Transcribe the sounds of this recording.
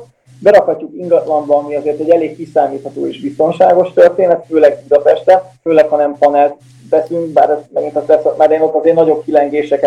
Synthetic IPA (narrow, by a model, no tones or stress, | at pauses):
bɛɾɒkhɒcːukiŋɡɒt̪lɒnbɒmiɒzeːrt̪ɛɟɛleːkːisaːmiːt̪hɒt̪oːeːʃbist̪o̞nʃaːɡo̞ʃt̪ørt̪eːnɛt̪føːlɛɡud̪ɒpɛʃt̪ɛføːlɛkhɒnɛmpɒnɛlt̪̚ | ʋɛsyŋk̚baːɾɛst̪mɛɡint̪ɛst̪ɛsɒt̪̚maːɾd̪eːnot̪ːɒzeːrnɒɟo̞b̚kilɛŋɡeːʃɛkɛ